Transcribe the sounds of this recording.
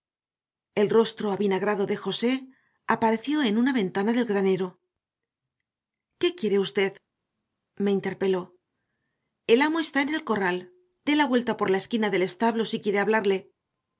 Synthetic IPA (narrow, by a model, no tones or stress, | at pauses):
e̞lro̞st̪ɾo̞aβinaɣɾaðo̞ðe̞xo̞se̞ | apaɾe̞θjo̞e̞nunaβe̞nt̪anaðe̞lɣɾane̞ɾo̞ | ke̞kje̞ɾe̞ust̪e̞ð | me̞int̪e̞ɾpe̞lo̞ | e̞lamoest̪aene̞lko̞ral | d̪̥e̞laβwe̞lt̪apo̞ɾlae̞skinaðe̞le̞st̪aβlo̞sikje̞ɾeaβlaɾle̞